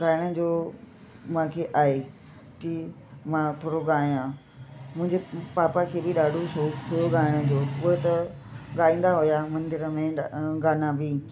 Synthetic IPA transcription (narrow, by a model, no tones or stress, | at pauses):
ɡaːɪɽ̃əd͡ʑoː | mãːkʰeːʔaːɦe | t͡ɕiː | mãt̪ʰoːɽoɠaːijã | mʊ̃ɦɪ̃ɲd͡ʑepaːpakʰeːbɪɗaːɖʱosoːpʰijoɡaːɪɽ̃ə̆d͡ʑoːʊɦet̪ɐ | ɠaːĩːn̆d̪aɦʊjamɐ̃nd̪ɪɾəmẽɡaːnãbi